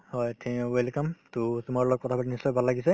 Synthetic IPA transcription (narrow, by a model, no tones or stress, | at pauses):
hɔjtʰiwelkamtutumaɹlɔk̚kːɔtʰabatinisːɔjbʱalːaɡisɛ